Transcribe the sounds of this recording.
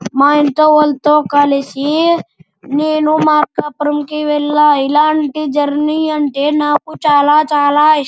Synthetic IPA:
maint̪oʋolt̪okalesi | ninumaːɾkapɾəmkiʋelːailaɳʈid͡ʒɐɾnijɐɳʈenaːkut͡ʃaːlat͡ʃaːla

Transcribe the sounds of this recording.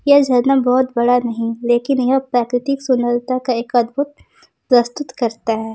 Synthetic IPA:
jɐd͡ʒʱɐnəmbɔːʊt̪bɐɽanɐɦĩleːkɪnjɐɦəpɾaːkɾɪt̪iksʊnəɾt̪akaeːkɐd̪bʊt̪̚ | ɾɐst̪ʊt̪kɐɾt̪aɦɛː

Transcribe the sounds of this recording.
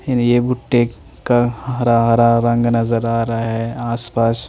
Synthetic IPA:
ɪnjebʊʈːe | kaɦɐɾaɦɐɾaɾɐ̃ŋɡnɐzəɾaːɾaaɦɛaːspaːs

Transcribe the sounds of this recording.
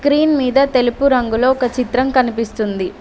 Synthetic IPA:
kɾiːnmiːd̪ɐt̪e̞lupuɾɐŋɡulo̞ːɔkɐt͡ʃit̪ɾɐmkɐnipist̪und̪i

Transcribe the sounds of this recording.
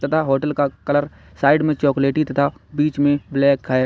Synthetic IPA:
t̪ɐt̪ʰaɦoːʈəlkakɐləɾ | saːɪɖmẽt͡ʃɔːkleːʈit̪ɐt̪ʰabiːt͡ʃmẽblɛːkʰːa

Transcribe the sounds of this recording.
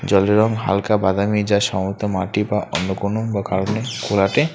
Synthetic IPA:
d͡ʑɔleɾɔŋɦa̰lkabad̪amid͡ʑaʃɔmoɾt̪omaʈibaʔɔnːokonobakaɾonekʰulaʈe

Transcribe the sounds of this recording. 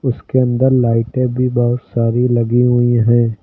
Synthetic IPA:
ʊskeɐ̃nd̪əɾlaːɪʈẽbʱibɔɦʊt̪saːɾilɐɡiɦʊiɦɛ̃ː

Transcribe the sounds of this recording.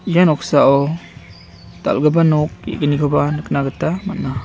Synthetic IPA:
ijanɔksaɔ | ta̰lɡabanɔk̚ḭʔɡəniɡɔbanɯknaɡətːamatna

